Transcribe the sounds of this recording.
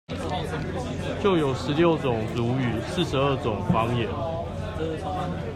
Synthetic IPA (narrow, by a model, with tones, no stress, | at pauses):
t͡ɕjo˥˨ʊjo˨˩ʊʂɻ̩˨˦ljo˥˩ʊt͡sʊ˨˩ŋt͡su˨˥˦y˨˩s̩˥˨ʂɻ̩˧˦ə˥˩t͡sʊ˨˩ŋfɑ˥ŋjɛ˨˦n